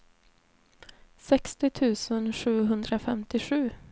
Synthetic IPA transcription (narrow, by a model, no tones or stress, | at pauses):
sɛkst̪ɪt̪ʰʉ̟ːsənɧʉ̟ːɦɵnd̪ɾafɛmt̪ɪɧʉ̟ː